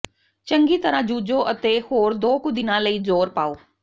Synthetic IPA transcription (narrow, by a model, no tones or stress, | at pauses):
t͡ʃə̃ŋɡiːt̪əɾãːd͡ʒuːd͡ʒoːʔət̪eːhoːɾd̪oːkʊd̪ɪnãːləiːzoːɾpaːoː